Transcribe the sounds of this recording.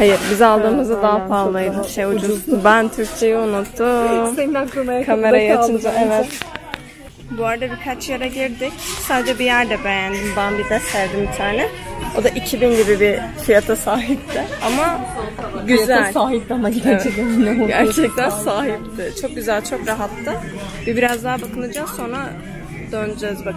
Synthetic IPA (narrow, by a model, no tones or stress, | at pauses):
hajɯɾbizalˠd̪ɯːmɯzd̪ad̪aɦafazlˠajd̪ɯʃejud͡ʒut̪ubænt̪ʰyɾc̚t͡ʃʰe̞jiunut̪ːumeankʰameɾkʰameɾajaaɯnd̪aevɛt̪ | buaɾad̪abikʰat͡ʃjaɾaɟiɾd̪ɪcsaːd̪ed͡ʒɛbijæɾd̪ɛbe̞jænd̪imbanbid̪ɛssæɾd̪imbit̪ʰaːnɛo̞d̪aʔicʰibinɟibibifijat̪ʰasaːɦip̚t̪ʰɪama | ɟyzælʲsaːɦip̚t̪amaivɛinɛɟæɾt͡ʃʰɛc̚t̪ʰænsaːɦip̚t̪ʰɪt͡ʃʰo̞k̚ɟyzælʲt͡ʃʰo̞kɾaɦat̪ːɯ | vɛbiɾazd̪aɦabakʰɯnɯd͡ʒaso̞nɾa | d̪̥ønd͡ʒɛzba